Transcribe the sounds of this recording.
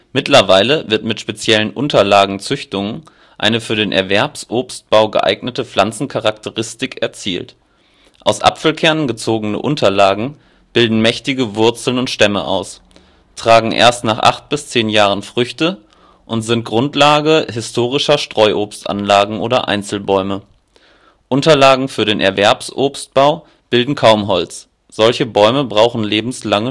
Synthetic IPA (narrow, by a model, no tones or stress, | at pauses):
mɪtlɐvaɪləvɪɐtmɪtʃpet͡sjɛlənʔʊntɐlaːɡŋ̩t͡sʏçtʊŋən | ʔa̰ɪnəfyːɐɾeːnʔɛ̰ɐvɛɐpsʔoːpst̚b̥aʊɡə̰ʔa̰ɪɡnətəflant͡sn̩kʰaʁaktʰəʁɪstɪkɛɐt͡sḭːlt | ʔa̰ʊsʔa̰pfl̩kʰɛɐnɡət͡soːɡənə̰ʔʊntʰɐlaːɡŋ̩ | b̥ɪldn̩mɛçtɪɡəvʊɐt͡sl̩nʊntʃtɛmə̰ʔa̰ʊs | tʁ̥aːɡŋ̩ʔḛːɐstnaːχʔa̰χt̚b̥ɪst͡seːnjaːʁ̞ənfʁ̥ʏçtə | ʔʊntz̥ɪnt̚ɡ̥ʁʊntlaːɡəɦɪstʰoːʁ̞ɪʃɐʃtʁ̥ɔʏʔoːpstʔa̰nlaːɡŋ̩ʔoːɾɐ̰ʔa̰ɪnt͡sl̩bɔʏmə | ʔʊntɐlaːɡŋ̩fyːɐɾeːnʔɛ̰ɐvɛɐpsʔoːpst̚b̥aʊ | b̥ɪldn̩kʰaʊmɦɔlt͡s | z̥ɔlçəbɔʏməbʁaʊχn̩leːbm̩slaŋə